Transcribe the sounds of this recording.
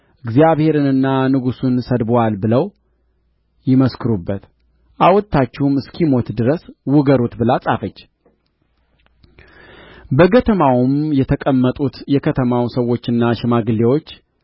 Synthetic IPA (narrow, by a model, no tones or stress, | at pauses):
ʔɨɡzjaβhe̞ɾɨnɨnːanɨɡusunsəd̪balbɨləw | jɪməskʰɨɾubːət̪ | ʔawɔt̪ʰːat͡ʃːɛhumɨskʰimo̞t̪d̪ɨɾəswʊɡəɾut̪bɨlasʼafət͡ʃː | bəɡət̪ʰəmawmjɛt̪ʰəkʼəmːət̪ʼut̪jɛkʰət̪ʰəmawsəwːo̞t͡ʃːɨnːaʃɪmaɡɨlːewo̞t͡ʃː